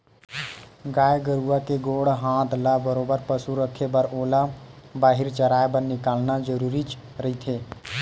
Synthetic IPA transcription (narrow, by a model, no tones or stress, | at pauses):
ɡaːeɡəɾuakeɡoːɽɦãːt̪labəɾoːbəɾpəsuɾəkʰːebəɾoːlabaːɦɪɾt͡ʃəɾaːebəɾnɪkaːlnad͡ʒəɾuːɾit͡ʃ | ɾəɦit̪ʰeː